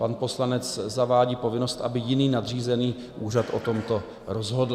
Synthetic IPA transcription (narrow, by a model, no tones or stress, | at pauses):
panpo̞slanɛt͡szavaːɟiːpo̞vɪno̞st̪ʔabɪjɪniːnad̪r̝iːzɛniː | ʔuːrat̪ʔo̞̰t̪o̞mt̪o̞ | ɾozɦo̞dl̩